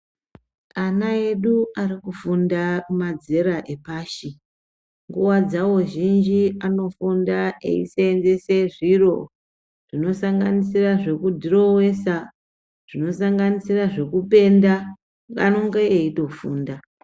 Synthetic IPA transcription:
anae̞ɗuaɾikufundamad͡ze̞ɾaʔe̞paːʃi | ŋɡuwad͡zawo̞ʒind͡ʒiano̞fundaʔḛḭseːnze̞se̞ʐiro̞̰ | ʐ̥ino̞saŋɡanisiraʐe̞kudʱiro̞we̞sa | ʐ̥ino̞saŋɡanisiraʐe̞kupe̞nda | a̰no̞ŋɡe̞eito̞fuːnda

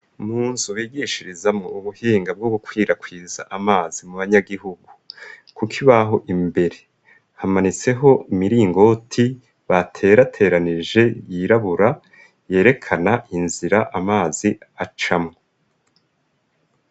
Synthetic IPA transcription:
muːnzuwiːɡiʃiɾizamŋouβuhiːŋɡab̚ɡoɡukwiːɾakwiːza̰ʔamaːzimuβaɲaɡiɦuɡukukʰiβaɦo̞ʔimbe̞ɾe̞ | hamanit͡se̞ɦo̞imiɾiːŋɡo̞tʰi | βatʰe̞ɾatʰe̞ːɾaniʒe̞jiɾaβuɾa | je̞ːɾe̞kʰanaʔinziɾaʔamaːziat͡ʃamŋo

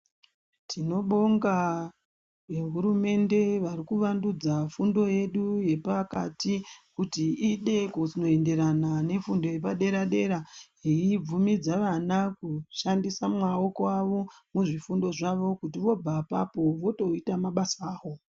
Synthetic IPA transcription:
tʰino̞ɓo̞ŋɡa | ʋe̞ɦuɾume̞nde̞ʋarikuʋandud͡zafundo̞je̞ɗuje̞pakatikutiiɗe̞kosino̞e̞nde̞ɾanane̞fundo̞je̞paɗe̞ɾaɗe̞ɾa | iib͡vumid͡zaʋanakuʃandisamŋao̞ko̞aʋo̞ | muʐifundo̞ʐaʋo̞kutiʋo̞b͡vapa̰po̞ʋo̞to̞itamaɓasaːɦo̞

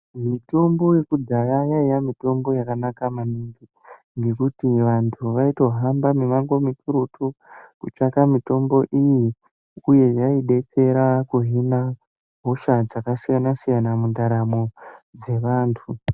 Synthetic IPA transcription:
mito̞mbo̞je̞kudʱajajaijamito̞mbo̞jakanakamaniŋɡi | ŋɡe̞kutiʋantʰuʋaito̞ɦambamemaŋɡo̞mituɾutʰukut͡ʃakamito̞mbo̞ʔiji | uje̞jaiɗe̞t͡se̞ɾakuɦina | ɦo̞ʃad͡zakasijanasijanamundaɾamo̞d͡ze̞ʋaːntʰu

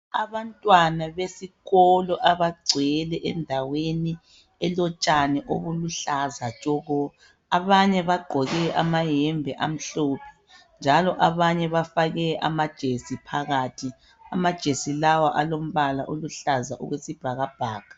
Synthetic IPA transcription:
a̰βantʼwanaβesiɣɔlɔʔaβaɡ͡ǀʱɛlɛʔɛ̰ndʱaweni | ɛlɔt͡ʃʼanɛʔo̰βuluɬazat͡ʃʼɔɣɔ | aβaɲɛβaɡ͡ǃʱɔɣɛʔa̰majɛmbʱɛʔa̰m̩ɬoːpʰɛ̥ | nd͡ʒʱalɔʔaβaɲɛβafaɣɛʔa̰mad̥ʒ̥ʱesipʰaɣatʰi | amad̥ʒ̥ʱesilawaʔalom̩βalaʔoluɬaza̰ʔṵɣwesib̥ʱaɣab̥ʱaːkḁ

